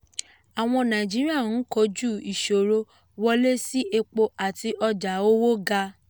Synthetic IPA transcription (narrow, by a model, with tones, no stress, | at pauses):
a˨w̃ɔ̃˧nã˨d͡ʒi˦ɾi˦a˦˨n̩˨˦kɔ˧˦d͡ʒu˦˨i˨ʃo˨ɾo˧ | wɔ˧le˦si˦ʔe˧k͡po˧ʔa˨ti˧ʔɔ˧d͡ʒa˨˦o˦wo˦ɡa˧